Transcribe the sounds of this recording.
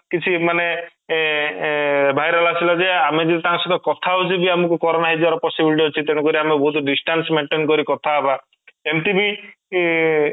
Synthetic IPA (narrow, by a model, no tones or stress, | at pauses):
kit͡ʃʰimane | bʱajɾalasilɔd͡ʒeamed͡ʒet̪it̪aŋsɔt̪ɔkɔt̪ʰaɦut͡ʃʰibiamɔkukɔɾɔnaɦed͡ʒaɾɔpɔsibilʈ̬iɦot͡ʃʰit̪eɽ̃ɔ̃kɔɾiamebɔɦut̪ɖisʈansmeɳʈenkɔɾikɔt̪ʰaba | emt̪ibi